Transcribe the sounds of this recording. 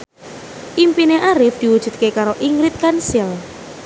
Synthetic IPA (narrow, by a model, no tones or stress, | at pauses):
ʔimpineʔaɾɪfd̪̥i̤wud̥ʒ̥ṳt̪̚kekaɾoʔiŋɾɪt̪̚kansɪl